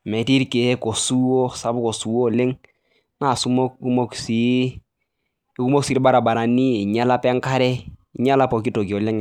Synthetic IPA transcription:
mɛ˨ti˦ɾke˨˦kɔ˨su˦ɔ˦sa˨bʊ˦kɔ˨su˨˦ɔ˦˨le˦ŋ | na˦˨su˦mɔ˦kku˦mo˦ksi˨˦ | ku˦mo˦ksi˨ɾba˦ɾa˨ba˨ɾa˨ni˦ɪ˨ɲa˦la˦pɛ˦ŋka˦ɾɛ˦i˨ɲa˦la˦pɔ˨ki˦to˨ɡi˨ɔ˨lɛ˦ŋ˨

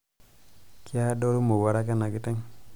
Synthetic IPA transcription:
ki˦a˦do˦ɾu˦mo˨wa˨ɾa˦ka˦na˨ki˦tɛ˦ŋ

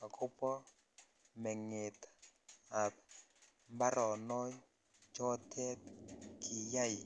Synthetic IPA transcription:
ka˨kʰʊ˦pɔ˦ | mɛ˨ŋɪ˨t̪ | a˨p | mba˦ɾɔ˨nɔ˦j | d͡ʒɔ˦tʰɛ˦tkʰɪ˨ja˦˨

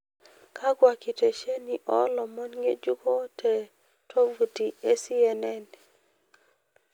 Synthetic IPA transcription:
kʰa˦ɡwa˨ki˨te˨ʃe˦ni˨ʔɔ˦lɔ˨mɔ˦nŋe˦d͡ʒu˦kɔ˦tʰɛ˨ | tʰo˦vu˨ti˨e˦si˦ɛ˦nɛ˦n

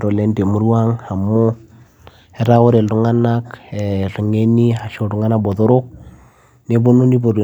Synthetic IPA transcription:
ɾo˨lɛ˦n˦de˨mu˦ɾu˦a˦ŋha˨mo˦ | ɛ˦ɾa˦o˦ɾe˨llu˦ŋa˦na˦kɛ˨ɾu˨ŋe˦ni˦ɦa˨ʃo˨ɾu˨ŋa˦na˦bɔ˨ðo˦ɾo˦k | ne˦βo˦no˦ni˦βo˨ɾ

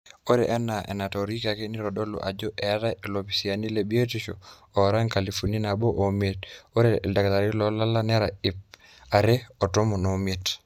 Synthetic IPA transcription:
o˦ɾḛ˨ʔɛ˦na˨ʔɛ̰˨na˨tɔ˨ɾi˦ka˨ke˦ni˦ɾɔ˨dɔ˦lo̰˨ʔa˨d͡ʒɔ˦ʔɛ˦ɾa˦ʔe˨lo˨pi˨si˨a˨ni˦le˨bi˦e˦ti˦ʃo̰˨ | ɔ˨ɾa˦ŋka˨li˨fu˨ni˦na˨bo˦ʔo˨me˦to˦ɾe˨da˨ka˨ta˨ɾi˦lɔ˦la˦la˦nɛ˦ɾa˨ɪ˨p | a˨ɾe˦ɔ˨to˦mu˨no˨mie˨t

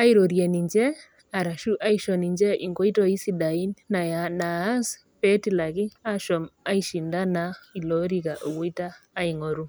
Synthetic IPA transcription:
a˦i˦ɾɔ˨ɾjɛ˨ni˨ɲd͡ʒɛ˦ | a˨ɾa˨ʃu˦ʔa˦iʃɔ˨ni˨ɲd͡ʒɛ˦ʔi˨ŋɡɔ˦i˦tɔ˦i˦si˦ɗa˨i˦nna˨jana˨˦s | pɛ˦ti˦˨la˨ki˦a˦ʃɔ˨ma˦iʃi˨nda˦na˦i˨lɔ˦ɾi˦ka˨ʔo˨wu˦i˦taː˦i˨ŋɔ˨ɾu˦

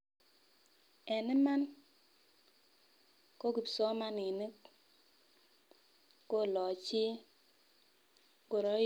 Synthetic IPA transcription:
ɛ˨nɛ˦ma˦n | ko˦ɡi˨psɔ˦ma˦ni˨ne˦k | ko˦˨lɔ˨t͡ʃi˦ | ɡo˨ɾɔ˨˦

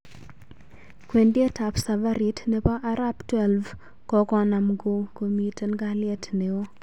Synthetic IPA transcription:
kwe˨ndje˦ta˨psa˨va˦ɾi˦tnɛ˦pa˦ʔa˦ɾa˦ptwɛ˨lv | kɔ˦kɔ˨na˨mɡo˨ko˨mi˨te˦nɡa˦lɪɛ˦tne˨o˦

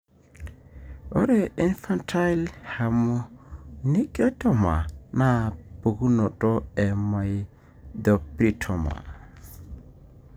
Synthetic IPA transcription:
ɔ˦ɾɛ˦i˦nfa˦ntʰa˦jlha˨mu˨ni˦kʼɔ˦tɔ˦˨ma̰˨na˦bo˨ɡu˦nɔ˨tɔ˦ɛ˨ma˨j | d̪ɔ˨pɾi˦tʰɔ˨ma̰˨

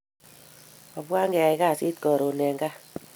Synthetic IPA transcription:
ɔ˨bwa˦ŋɡɛ˨a˨i˨ka˦˨si˦tkɔ˨ɾo˨nɛ˨ŋɡa˦

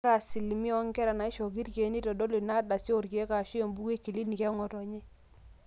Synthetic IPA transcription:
ɾa˨si˨lmi˦ɔ˦ŋkɛ˦ɾa˨na˨i˦ʃɔ˨k̬i˦ɾke˨˦ni˦to˨do˦lo˨na˦da˨si˦o˨ɾke˨˦ka˨ʃi˦o˨mbu˦ke˦ki˨li˦ni˨kɛ˦ŋɔ˨tɔ˨ɲe˦

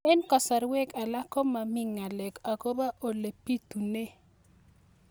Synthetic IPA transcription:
ɛ˦nkɔ˨sa˨ɾwɛ˦ka˨la˦kɔ˦ma˨mi˦ŋa˨lɛ˨ka˨ko˦ba˦ʔo˨le˨pi˦t̪u˨ne˦

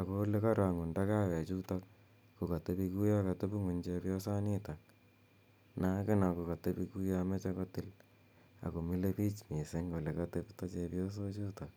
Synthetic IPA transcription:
a˨ko˦le˦ka˦ɾa˨ŋu˨nda˦ka˦wɛ˨a˨t͡ʃu˦ta˦k̚ | ku˨ka˨te˦pi˧ku˦ja˦ka˨te˦pu˦ŋu˨nt͡ʃepjɔ˦sa˦ni˦ta˨k̚ | na˨˦kɪ˦na˨ku˨ka˨te˦pi˦ku˦ja˦me˦t͡ʃe˦ko˦tɪ˦l | a̰˨ko˨mi˦le˦pi˦t͡ʃmi˨se˦ŋo˨le˨ka˦teptɔ˦t͡ʃe˧pjɔ˦s̬o˦t͡ʃu˦ta˨k̚

